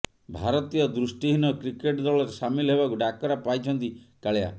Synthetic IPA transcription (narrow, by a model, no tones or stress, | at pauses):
bʱaɾɔt̪ijɔd̪ɾusʈiɦinɔkɾikeʈd̪ɔɭɔɾesamilɔɦebakuɖakɔɾapajt͡ʃʰɔnt̪ikaɭea̰